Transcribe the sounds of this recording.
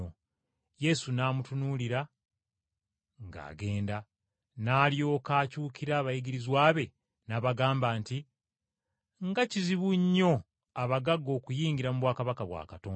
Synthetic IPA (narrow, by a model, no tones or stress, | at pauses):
o | je̞sunaːmutunuːliɾa | ŋɡa̰ːɡe̞ːnda | naːljo̞ːkaːcuːkiɾaːβajiɡiɾizwaːβe̞ | naːβaɡaːmbaːnti | ŋɡaciziβuɲːo̞ | aβaɡaɡːo̞ːkujiːŋɡiɾamuβwaːkaβakaβwa̰ːkatoːn